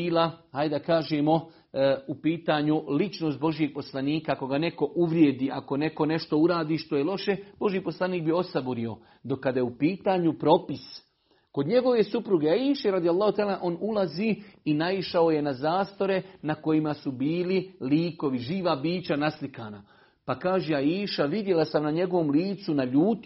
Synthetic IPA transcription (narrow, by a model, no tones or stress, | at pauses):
iːlahajd̪akaːʒeːmo̞ | upiːt̪aːɲulit͡ʃnost̪̚bo̞ʒijeɡ̥̚po̞slˠaniːkako̞ɡane̞ko̞ʔuʋɾjed̪iːʔako̞ne̞ko̞ne̞ʃt̪o̞uɾaːd̪iːʃt̪o̞jelo̞ʃe̞b̥o̞ʒiiːpo̞slˠaniːk̚bio̞sabuɾio̞ | d̪o̞kːad̪ajeupiːt̪aːɲupɾo̞pis | ko̞d̪ɲe̞ɡo̞ʋe̞supɾuɡeaiːʃeɾad̪ijalˠːɑːhut̪alanaʔo̞ːnulaziinaiʃao̞je̞nazaːst̪o̞ɾe̞nako̞jimasubiːliliːko̞ʋiʒiːʋabiːt͡ɕanaslikaːna | pakaːʒeaiːʃaʋid̪je̞lasamnaɲe̞ɡo̞ʋo̞mliːt̪sunaʎuːt̪